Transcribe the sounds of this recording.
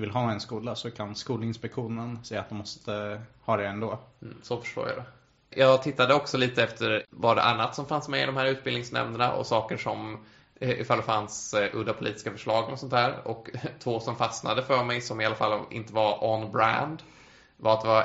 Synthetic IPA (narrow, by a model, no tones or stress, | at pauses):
vɪlɦɑːɛnskuːlasɔkʰanskuːləɪnspɛkɧuːnənsɛjːa̰t̪̚d̪ɛmɔst̪ʰəhɑːd̪ɛɛnd̪oːsɔfœ̥ʂʈo̰ːɾja̰d̪ɛ | jʔɑːɡt̪ʰɪt̪ːad̪əɔksɔliːt̪əɛft̪ʰəɾvaɖɛ̰ʔa̰nːat̪sɔmfansmɛɪd̪ɔmhæːɾʉ̟ːt̪̚bɪlnɪŋsnɛ̰mnəɳa̰ʔɔ̰sɑːkəʂɔm | ʔɪfald̪ɛfansʔɵ̰d̪apʰʊliːt̪ɪ̥skafœʂɭɑːɡəlɔsɔnt̪ʰhæːɾɔkt̪ʰvoːsɔmfasna̰d̪əfœːɾmɛjsɔmɪalːafalːʔɪ̰nt̪əvaɾɔnbɾa̰nd̪ | vaɾat̪̚d̪ɛva